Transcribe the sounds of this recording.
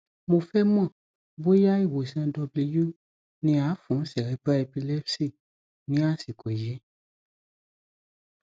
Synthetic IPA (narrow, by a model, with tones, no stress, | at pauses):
mo˨fɛ˦mã˦˨ | bo˦ja˦i˦˨wo˨sã˧dɔ˧bli˧ju˦ | nĩ˧a˨˦fũ˨˦sɛ˨ɾɛ˨˦ba˦e˧pi˧lɛ˦fsi˦˨ | nĩ˨˦a˦˨si˨ko˨jɛ˨˦